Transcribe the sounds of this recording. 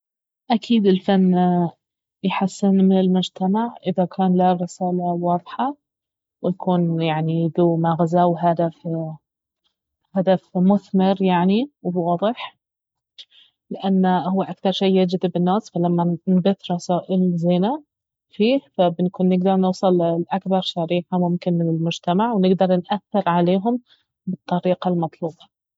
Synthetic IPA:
ʔakʰiːd̪ɪlfanː | jħasːɪnmɪnɪlmʊd͡ʒt̪amaʕʔɪðakʰaːnlarɪsaːlawɑːðˤħɑ | wɪjkʰuːnjaʕniðuːmaɣazaːwɦad̪af | had̪afmʊθmɪɾjaʕniwwɑːðˤɨħ | lɪʔanːhʊwːaʔakθɑɾˤʃijːad͡ʒd̪ɪbɪnːaːsfalamːanbɪθɾˤɑsaːʔɪlzɪna | fiːhfabnkuːnːɪɡd̪ɑɾˤnɨwsˤɨllʔakbɑɾˤʃaɾiːħamʊmkɪnmɪnɪlmʊd͡ʒt̪amaʕwnɪɡd̪ɑɾˤnʔaθːɪɾʕaleːɦʊm | bɨt̪ˤːɑɾiːqɑlmɑt̪ˤluːbɑ

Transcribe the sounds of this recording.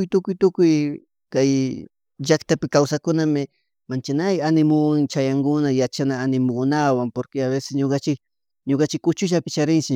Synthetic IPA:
ʊjt̪ʊkʊjt̪ʊkʊj | kaj | ʒakt̪apɪkawsakʊnamɪ | mant͡ʃanajanɪmʊwaŋt͡ʃajaŋɡʊnajat͡ʃanaːnɪmʊkʊnawaŋpoɾkɪaβesɪ̥sɲokat͡ʃɪk | ɲokat͡ʃɪkːʊt͡ʃʊʃ̬apɪt͡ʃaɾɪnt͡ʃɪ

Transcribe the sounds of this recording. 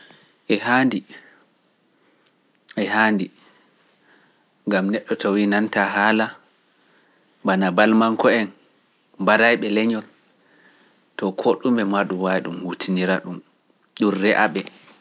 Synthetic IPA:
ʔɛhandi | ʔɛɦaːndi | ŋɡamnɛɗːɔtʰɔwinantaɦaːla | banabalmaŋkɔɛn | mbaɾajɓɛlɛɲɔl | tɔkʰoɗumɓɛmaɗumwajɗumhutʰiniɾaɗum | ɗunrɛʔaɓɛ

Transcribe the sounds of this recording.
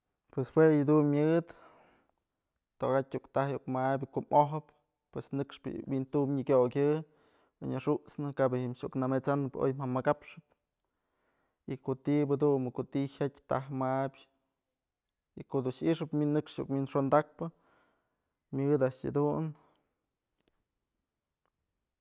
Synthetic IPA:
pweswejɨd̪unmʲjɨd̪ | t̪oɡat̚ʲukt̪ahjukmabʲkoʔmoɦɨp | pwesnɨkʂpɨ̰wint̪umɲɨkʲokʲɨ̰ | ɲaʂuʔt͡snɨkabehimʃuʔknamet͡sanɨpo̰jmamakapʂɨp̚ | ikot̪ibɨd̪unmɨkot̪ihatʲt̪aɦmabʲ | ikod̪unʃiʂɨpminːɨkʂṵkminʂond̪ak̚pɨ | mʲɨd̪aʔʂa̰d̪un

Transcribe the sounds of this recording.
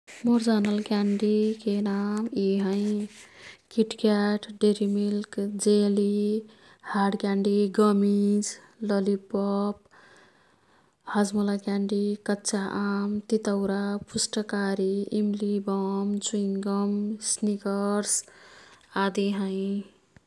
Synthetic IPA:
moɾd͡ʒanəlkaɳɖikenamiɦə̃ĩ | kiʈkaʈɖeɾimilkd͡ʒeli | haɾɖkaɳɖiɡʌmid͡ʒ | ləlipɔp̚ | had͡ʒməlakaɳɖikətːʰaʔamt̪it̪əʊɾapusʈəkaɾiimlibɔmt͡ʃuiŋɡəmsnikəɾs | ad̪iɦə̃ɪ̃

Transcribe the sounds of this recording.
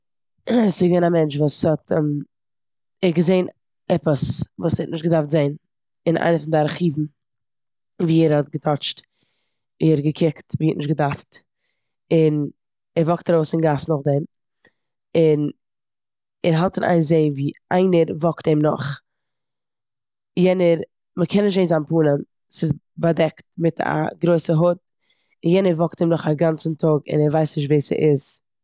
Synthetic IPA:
sɪɡvɛnamɛnt͡ʃvuːshɔtm | ɛɡəzeɪn | ɛpəsvuːsɛ̰tnɪʃtɡədaɾftzeɪn | ɪnʔa̰ɪnəfʊndɪaɾχiːvn̩ | viːɛɾhɔtɡətʰɔt͡ʃt | iɛɾɡəkʰɪktviːɛtnɪʃɡədaɾft | ɪn | ɛɾvɔktaɾoʊsɪnɡasnʊχdɛm | ɪn | ɛɾɦalˠtɪnʔa̰ɪnzeɪviːa̰ɪnəɾvɔktɛɪmnʊ̰χ | jɛnəɾ | məkʰɛnːɪʃ̬teɪnzanpuːnən | sɪz | badɛkt̚mɪtʰa̰ɡɾoɪsəɦʊt̚ | ɪnjɛnəɾvɔktimnʊχaɡant͡sn̩tʰʊɡɪ̰nɛɾvaɪsnɪʃ̬tveːsə̰ʔɪz̥

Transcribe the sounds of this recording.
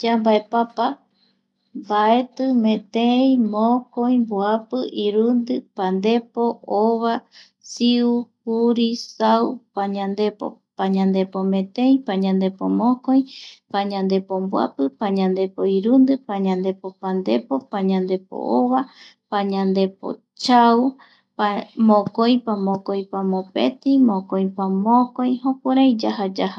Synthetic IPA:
d͡ʒambaepapa | mbae̞t̪ɨmẽt̪eĩmõkõj̃mboapɨʔiɾund̪ɨpãnd̪e̞poʔoβa | siuhuɾisawpaɲãnd̪epo̰ | paɲãnd̪epomẽt̪ẽj̃paɲãnd̪epo̰mõkõj̃paɲãnd̪e̞pombwa̰pɨpaɲãnd̪e̞poiɾund̪ɨpaɲãnd̪e̞popand̪e̞po̞paɲãnd̪e̞po̰ʔoβa | paɲãnd̪e̞p̚o̰ | t͡ʃaw | pamõkojpamõkojpamõpḛt̪imõkojpamõkojɦõkʷaɾajd͡ʒahad͡ʒaha

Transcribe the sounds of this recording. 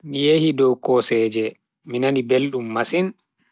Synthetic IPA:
mijehidɔwkɔsɛd͡ʒɛ | minanibelɗumːasin

